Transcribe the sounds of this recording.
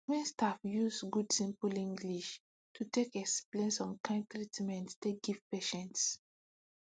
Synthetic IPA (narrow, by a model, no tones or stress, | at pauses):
wĩnstafjusɡudsĩmpulĩŋɡliʃ | tʰutekɛksplẽnsɔ̃nkãɪ̃ntɹitmɛ̃ntsteɡivpeʃɛ̃nts